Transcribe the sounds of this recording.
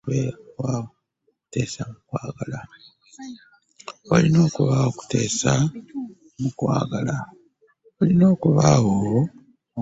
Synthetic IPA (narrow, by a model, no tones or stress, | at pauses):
βewa | kte̞ːsamukwaːɡala | βalino̞ːkuβaoku̥te̞ːsa | mukwa̰ːɡala | βalino̞ːkuβaɣo